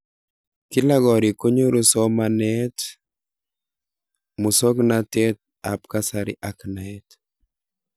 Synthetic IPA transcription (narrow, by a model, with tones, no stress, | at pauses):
kɪ˦la˦ɡɔ˨ɾi˨ko˦ɲo˦ɾo˦sɔ˦manɛt | mu˨so˦knatɛ˦t̪̚ | a˨pka˦saɾɪ̰˦ʔa˦kna˨ɛt